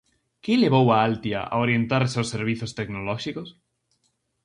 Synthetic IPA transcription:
kɪleβ̞owaalt̪ja̰ʔa̰oɾjent̪aɾsawsːeɾβ̞iθost̪eknolɔʃikos

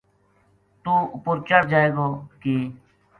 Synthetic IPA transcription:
t̪uːʊpʊɾt͡ʃəɽd͡ʒaːeːɡoːkiː

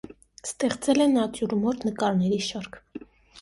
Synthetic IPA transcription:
st̪ɛχt͡sɛlɛnɑt͡sjuɾmɔɾt̪ʰnəkɑɾnɛɾiʃɑɾkʰ

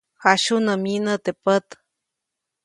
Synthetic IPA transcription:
haʃunəminət̪epət̪

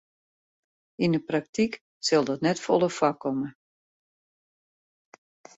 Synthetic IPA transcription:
inəprak̚tʰik | sɪlˠdɔtnɛtfɔlˠəfakʰːɔmə

